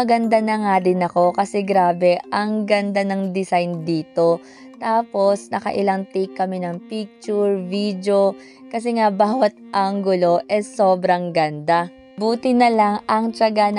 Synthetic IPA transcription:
ɐɡɐnd̪anɐŋaːd̪ɪnɐko̞kɐsɛɡɾaːbɛʔɐŋɡɐnd̪anɐŋd̪ɪsajnd̪iːt̪o̞ | t̪aːpo̞snɐkɐ̰ʔɪ̰laŋt̪ikːɐmɛnɐŋpik̚t͡ʃuɹvid̪jo̞ | kɐs̬ɛŋabaːwɐt̪̚ʔaŋɡʊlo̞ʔɛso̞ːbɾɐŋɡɐnd̪a | buːt̪ɪnɐlaŋɐŋt͡ʃɐɡan

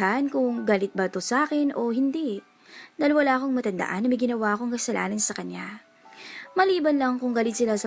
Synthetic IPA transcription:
ɦankʊŋɡaːlɪt̪̚bɐt̪osʔaːkɛnʔo̞hɪnd̪i | d̪ajlwɐlaːʔɐko̞ŋmɐt̪ɐnd̪ɐ̰ʔanːɐmɐjɡɪnɐwaʔɐko̞ŋkɐsɐlʔa̰ːnɐnsɐkɐɲja | mɐliːbɐnlɐŋkʊŋɡaːlɪt̪̚sɪlasɐ

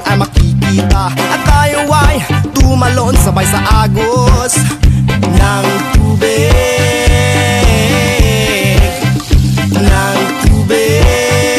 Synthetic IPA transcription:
ʔamɐkikiːt̪aʔɐt̪ajowajt̪umaloʔonsɐbajsaʔaːɡos | naŋt̪uːbe | naŋt̪ube

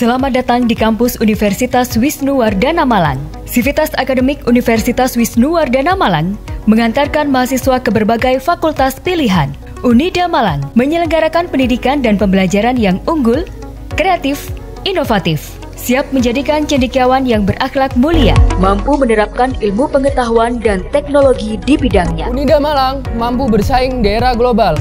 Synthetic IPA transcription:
səlamadat̪aŋdikampʊsunifɛrsit̪aswisnuwardanamala̰ŋ | sifit̪asakadomɪkunifɛrsit̪aswisnuwardanamala̰ŋməŋant̪arkanmaɦasiswakəbərbaɡajfakult̪aspiliɦan | ʔunidamalaŋməɲələŋɡaɾakanpəndidikandanpəmbəlad͡ʒaɾanjaŋuŋɡʊl | kɾeat̪ɪf | ʔinofat̪ɪf | siap̚məɲd͡ʒadikant͡ʃəndikawanjaŋbərʔaxlak̚mulia̰mampumənəɾap̚kanilmupəŋət̪aɦuandant̪ɛk̚noloɡidibidaŋɲa̰unidamalaŋmampubərsaɪŋdaeɾaɡlobal

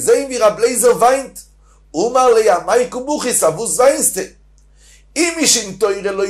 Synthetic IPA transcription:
zeɪnviːʁablˠeɪzəlˠvaɪnt | umalˠeɪamaɪkʊmuχɪsavuːsvaɪnstɪ | ɪmɪʃɪntoɪɾəlˠo

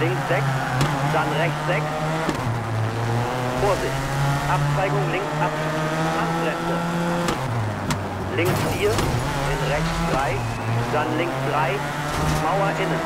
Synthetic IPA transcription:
lɪŋksz̥ɛks | z̥anʁɛçt͡sz̥ɛks | foːɐzɪçtʔap̚t͡ʃv̥aɪɡʊŋlɪŋsʔap̚ɪ | ʔanɡ̥ʁɛnt͡sə | lɪŋksfiːɐ | ʔɪnʁɛçt͡sd̥ʁaɪ | z̥anlɪŋksd̥ʁaɪ | maʊɐʔɪn

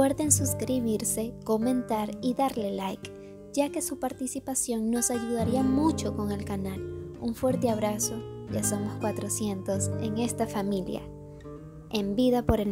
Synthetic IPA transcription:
eɾt̪ensuskɾiβiɾse̞ko̞mẽ̞nt̪aɾiðaɾle̞lajk | ɟ͡ʝake̞supaɾt̪isipasjo̞ŋno̞saʝuð̞aɾiamut͡ʃo̞ko̞ŋe̞lkanaluɱfwe̞ɾt̪e̞aβ̞ɾaso̞ʝaso̞moskwat̪ɾo̞sje̞nt̪o̞se̞ŋe̞st̪afamilj̰a̰ | embiðapo̞ɾen

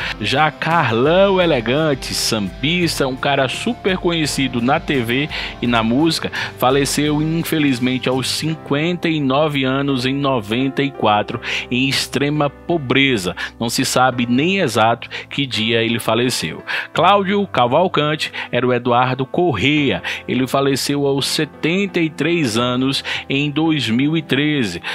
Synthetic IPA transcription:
ʒakaɾlɐ̃weleɡɐ̃t͡ʃɪsɐ̃bist̪ɐũkaɾɐsupeɾkõɲesid̪ʊnɐt̪eveɪnɐmuzikɐfalesewĩfelizmẽnt͡ʃɪawsːĩkwẽnt̪ɐinɔvɪɐ̃nʊzẽj̃nɔvẽnt̪ɐikwat̪ɾʊẽj̃ist̪ɾẽmɐpobɾezɐnɐ̃w̃sɪsabɪnẽj̃ezat̪ʊ̥kɪd͡ʒiɐelɪfalesḛwklawd͡ʒʊkavawkɐ̃t͡ʃɪ̥ɛɾʊed̪uaɾd̪ʊkoɦejɐḛlɪfalesewawsɛt̪ẽnt̪ɐit̪ɾezɐ̃nʊsẽj̃d̪ojzmiwit̪ɾezɪ

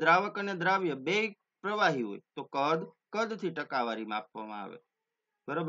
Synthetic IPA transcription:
d̪ɾaʋəkəned̪ɾaʋjəbei | pɾəʋaɦiɦo̰it̪okəd̪ | kəd̪t̪ʰiʈəkaʋaɾim̃apʋa̰mã̰a̰ʋḛ | bəɾob

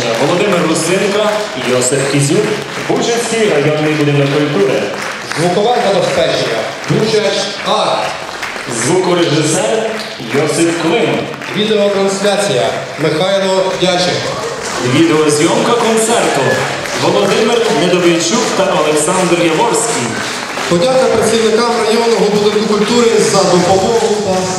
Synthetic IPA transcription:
ʋɔlˠɔd̪ɪmɪrːʊst̪ɪnkɐ | jɔsɪfkʲizʲu | buwt͡ʃɐsʲiɾɐjɔkmibud̪ɪnɐkɔk̪ʊd̪ɛ | zʋukɔʋɑnk̪ɐd̪ɔspɛt͡ʃenʲɐ̰ | b̪ut͡ʃɐt͡ʃ | ɑt̪ | zʋukɔɾeʒɪsɛr | jɔsɪfklˠɪm | ʋʲid̪eɔt̪ɾɐnslʲat͡sʲijɐ | mɪxɑjlˠɔdʲat͡ʃɪɦɔ̰ | ʋʲid̪eɔzʲjɔmkɐkɔnt̪sɛrt̪ɔ | ʋɔlˠɔd̪ɪmɪrnɛd̪ɔʋejt͡ʃukt̪ɐʔɔlˠeksɑnd̪rjɐʋɔrsʲkʲij | pɔdʲak̪ɐpɾɐt͡sʲiwnɪkamɾɐɦiɔnɔɦɔbud̪ɪt̪ʊkʊlʲt̪uɾɪzɐd̪ʊpɔb̪ɔɦupɔ

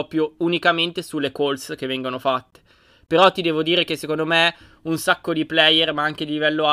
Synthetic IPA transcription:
ɔpjounikament̪esulːekolsk̟evːɛŋɡonofat̪ːe̥ | peɾɔt̪ːid̪ɛːvod̪iːɾek̟esːekond̪ome | unsakːod̪iplɛjːermaaŋk̟ed̪ilivɛlːoa

